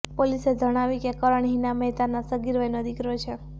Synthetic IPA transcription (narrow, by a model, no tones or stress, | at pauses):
polised͡ʒʱəɽ̃aʋikekəɾəɳɦinamɛɦt̪anasəɡiɾʋajnod̪ikɾot͡ʃʰe